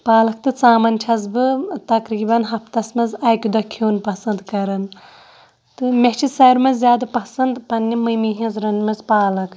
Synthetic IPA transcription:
paːlɐk̚ʰt̪ɨt͡saːmɐnt͡ʃʰɐzbɨt̪ɐkɾiːbɐnɦɐft̪ɐsmɐzaːjkʲud̪ɐkʰːjoːnpɐsɐnd̪kɐɾɐn | t̪ɨmʲet͡ʃʰisɐjɾmɐzzʲjaːd̪ɐpɐsɐnd̪pɐnːimɨjmiɦɐ̃zɾɐnmɐzpaːlɐkʰ

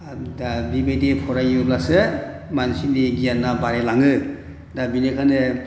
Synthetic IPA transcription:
dabibedepʰɔɾajulasɯ | mansiniɡijanːabaɾelaŋɯ | dabinekʰanɯ

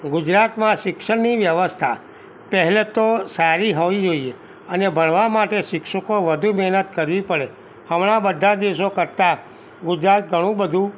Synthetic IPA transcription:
ɡʊd͡ʒɾat̪mãʃɪkʃəɾniʋjəʋəst̪ʰa̰ | pəɦɛlet̪osaɾiɦoʋid͡ʒoie | ənebʱəɳʋamaʈeʃɪkʃəkoʋəd̪ʱumɛɦnət̪kəɾʋipəɭe | həmɽ̃abəd̪ʱːad̪iʋʃ̬okəɾt̪a | ɡʊd͡ʒɾat̪̚ɡʱəɽ̃ũbəd̪ʱũ

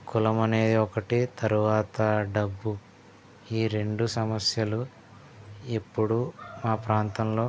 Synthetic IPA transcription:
kulɐmɐne̞ːd̪iɔkɐʈit̪ɐɾuʋaːt̪ɐɖɐbːu | iːɾe̞ɳɖusɐmɐsjɐlu | ipːuɽumaːpɾaːnt̪ɐmlo̞ː

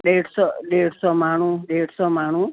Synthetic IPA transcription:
ɗeɽsɔɖeɽsɔmaɽ̃ũɖeɽsɔmaɽ̃ũ

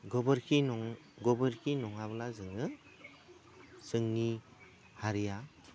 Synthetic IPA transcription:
ɡɔbɯɾkʰinɔŋɡɔbɯɾkʰinɔŋaβɯlazɯŋɯ | sɯŋni | haɾija

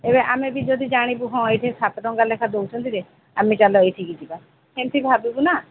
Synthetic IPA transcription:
ebeʔamebid͡ʒɔd̪id͡ʒaɽ̃ibuɦɔ̃ejʈʰisʰap̪ɔɾɔŋɡalekʰad̪owt͡ʃʰɔnt̪iɾe | amet͡ʃalɔejʈʰikid͡ʒiba | hent̪ʰibʱabibuna

